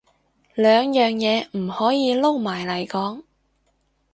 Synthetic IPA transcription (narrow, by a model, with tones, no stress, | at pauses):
lœː˨˧ŋjœː˨ŋjɛː˨˧m̩˨˩hɔː˨˥jiː˨˧lo˥wmaː˨˩jlɐ˨˩jkɔː˨˥ŋ